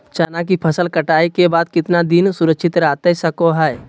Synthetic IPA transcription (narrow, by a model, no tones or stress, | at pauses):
t͡ʃaːnak̬ipʰəsəlkəʈaːikebaːd̪̚kɪt̪nad̪ɪnsʊɾəkʃɪt̪ɾaːt̪esɐkoɦɛ